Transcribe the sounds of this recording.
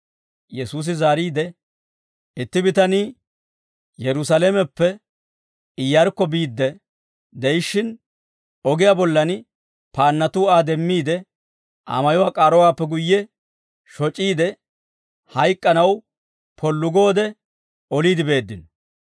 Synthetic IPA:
jɛsuːs̬ɪzaːɾiːd̪ɛ | ɪt̪ːɪbɪt̪ɐniː | jɛɾʊsaːleːmɛpːɛ | ɪjːɐɾkːɔbiːd̪ːɛ | d̪ɛjɪʃːɪn | ɔɡɪjaːbɔlːɐn | paːnːɐt̪uːaːd̪ɛmːiːd̪ɛ | ʔa̰mɐjɔwaːkʼaːɾɔwaːpːɛɡʊjːɛ | ʃɔt͡ʃʼːiːd̪ɛ | hɐjkʼːɐnɐw | pʰɔlːʊɡo̞ːd̪ɛ | ɔliːd̪ɪbe̞ːd̪ːɪnɔ

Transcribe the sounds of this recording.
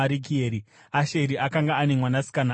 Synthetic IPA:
aɾik̬ieːɾi | aʃeɾiʔakaŋɡaːnemwanasi̥kana

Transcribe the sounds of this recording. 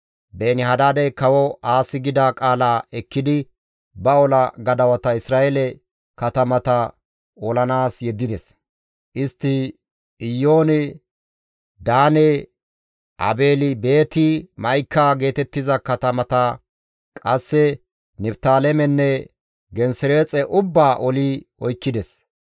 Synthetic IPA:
beːnɪhɐd̪aːd̪ɛjkɐwɔaːsɪɡɪd̪akʼaːlaːʔɛkːɪd̪ɪ | bɐɔlɐɡɐd̪ɐwɐt̪ɐɪsɾaːʔɛlɛ | kɐt̪ɐmɐt̪ɐ | ɔlɐnaːsjɛd̪ːɪd̪ɛs | ʔɪst̪ːɪ | ɪjːo̞ːnɪ | d̪aːnɛ | ʔɐ̰be̞ːlɪbe̞ːt̪ɪmɐjkːaɡe̞ːt̪ɛt̪ːɪzɐkɐt̪ɐmɐt̪ɐ | kʼɐsːɛ | nɛbt̪aːlɛmɛnːɛ | ɡɛnsɪɾe̞ːt͡sʼɛʔʊbːaːʔɔliʔɔjkːɪd̪ɛs

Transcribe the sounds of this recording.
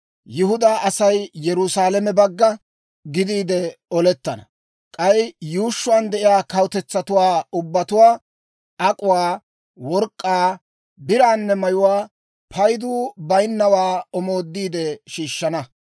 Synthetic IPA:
jɪhʊd̪aːʔɐsɐjjɛɾʊsaːlɛmɛbɐɡːɐ | ɡɪd̪iːd̪ɛɔlɛt̪ːɐnɐ̰ | kʼɐjjuːʃːʊwaːnd̪ɛʔɪjaːkɐwʊt̪ɛt͡sːɐt̪ʊwaːʊbːɐt̪ʊwaː | ʔɐkʼʊwaː | wɔɾkʼːaː | bɪɾaːnːɛmɐjʊwaː | pʰɐjd̪uːbɐjnːɐwaːɔmo̞ːd̪ːiːd̪ɛʃiːʃːɐnɐ

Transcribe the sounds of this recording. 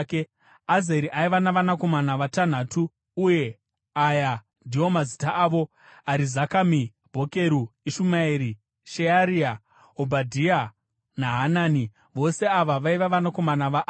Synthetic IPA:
ke | azeɾiʔaiʋanaʋanako̞manaʋatan̤aːtuː | je̞ | aja | ndʱio̞mazitaʔːʋo̞ | aɾizakami | bʱo̞ke̞ɾuiʃumaeɾi | ʃeaɾia | obʱadʱia | naɦanaːni | ʋo̞se̞aʋaʋaiʋaʋanako̞manaʋaʔ

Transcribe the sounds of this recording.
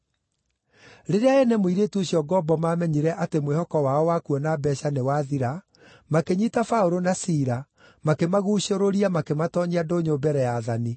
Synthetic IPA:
ɾeɾeaɛnɛmoiɾeːtuoɕjɔɡɔbɔmaːmɛɲiɾɛʔatemwehɔkɔwaɔwakuɔnabɛɕanewaðiɾa | makeɲitafaoɾonasiːɾa | makemaɣuɕoɾoɾiamakematɔɲiadoɲobɛɾɛjaðani

